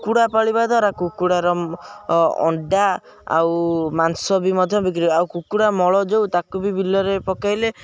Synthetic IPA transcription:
kuɽapaɭibad̪ʱwaɾakukuɽaɾɔ | ɔ̰ɳɖa | a̰wmansɔbimɔd̪ʱjɔbik̬iɾiawkukuɽamɔɭɔd͡ʒowt̪akubibilːɔɾepɔkajle

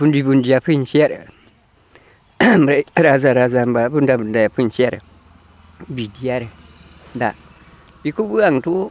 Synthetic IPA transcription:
bundibundijapinʃiaɾə̰ | mbɾaɾazaɾazambabundabundajapunʃijaɾə̰ | bidijaɾə | da̰ | bikubuaŋtu

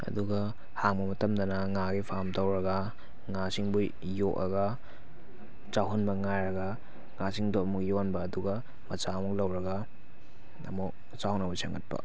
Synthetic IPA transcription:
ɐ̰duɡɐ | haŋbɐmɐtɐmdɐnɐŋaɡipʰamtɐwɾɐɡɐ | ŋasiŋbu | jokɐ̰ɡɐ | t͡ʃaɦonbɐŋajɾɐɡɐ | ŋasiŋdoɐmukjonbɐːduɡɐ | mɐt͡ʃamuklɐwɾɐɡɐ | ɐ̰mu | t͡ʃawnɐbɐsɐ̰ŋɐ̰t̚pɐ̰

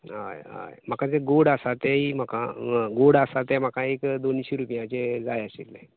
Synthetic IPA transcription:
ɦa̰jɦa̰jm̤əkad͡zeɡoɽasat̪ɛim̤akãɡoɽasat̪em̤akãekd̪oniɕeɾupijãt͡ɕed͡zajəsḭlːe

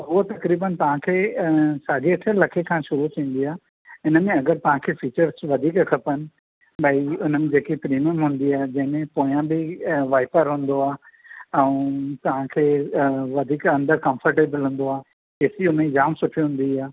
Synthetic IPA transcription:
ɦʊot̪ɐkɾiːbənt̪ɐʋ̤ãkʰeːsaːd͡ʑiɐʈʰəlɐkʰekʰãʃʊɾut̪ʰĩːn̆d̪iaː | ɪnə̆mẽɐɡəɾt̪ɐʋ̤ãkʰeːfiːt͡ɕəɾzʋɐd̪ʱiːkkʰɐpənɪ̆ | bɐiʊn̤əmẽd͡ʑeːkipɾiːməmɦũːn̆d̪iaːɦed͡ʑɐ̃ɦɪ̃mẽpoːĩjãbɪʋaːɪpəɾɦũːn̆d̪oaː | ɛ̃ũt̪ɐʋ̤ãkʰeːʋɐd̪ʱiːkɐ̃nd̪əɾkɐ̃mfəɾʈeːbəlɦũːn̆d̪oaːɦ | eːsiʊnə̃d͡ʑaːmsʊʈʰiɦʊ̃n̆d̪iaː

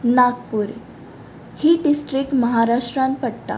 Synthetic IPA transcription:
naɡpuːɾ | hiːɖisʈɾik̚ʈməɦaɾaʂʈɾãnpəɽt̪a̰

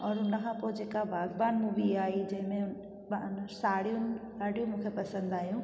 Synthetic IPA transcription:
ɔːɾɦʊnkʰãpod͡ʑeːkabʱaːɡbaːnmũbiaːid͡ʑɐ̃ɦɪ̃mẽʊ | nsaːɽijũnsaːɽijũmũːkʰepɐsə̃nd̪aːjũ

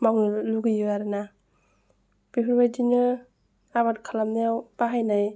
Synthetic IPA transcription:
mawnɯluɡɯjɯaɾɯna | biɦʰɯɾbajdinɯ | aβatkʰalamneawb̥aɦajnaj

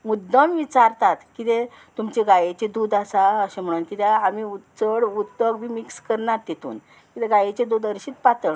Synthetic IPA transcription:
mud̪ːəmʋit͡ɕaɾt̪at̪kit̪ẽ | t̪umt͡ɕeɡajet͡ɕed̪uːd̪asaəɕem̤əɽ̃uːnkit̪eamiutt͡səɽut̪ːəɡʋimikskəɾnat̪jet̪ṵːn | kit̪eɡajet͡ɕed̪uːd̪əɾɕiːt̪pat̪əɳ

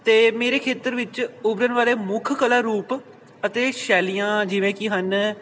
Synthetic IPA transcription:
t̪eːmeːɾeːkʰeːt̪əɾʋɪt͡ʃʊbɾənʋaːleːmʊkʰkəlaːɾuːp | ət̪eːʃɛːliːãːd͡ʒɪʋẽːkɪɦən

